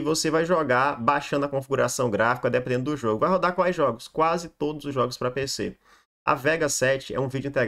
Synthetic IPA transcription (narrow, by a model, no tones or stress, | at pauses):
vosevajʒoɡabaʃɐ̃nd̪ʊɐkõfiɡuɾasɐ̃w̃ɡɾafi̥kɐd̪ɛpẽnd̪ẽnd̪ʊd̪ʊʒoɡʊvajɦod̪akwajzʒɔɡʊskwazɪt̪od̪ʊzʊzʒɔɡʊspɾɐpese | ʔɐ̰vɛɡɐsɛt͡ʃɪɛ̰ũvid͡ʒʊĩt̪e